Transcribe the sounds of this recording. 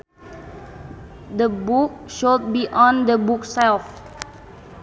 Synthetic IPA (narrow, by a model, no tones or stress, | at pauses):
d̪əbuk̚ʃot̚biʔɔ̃nd̪əbuksɛlf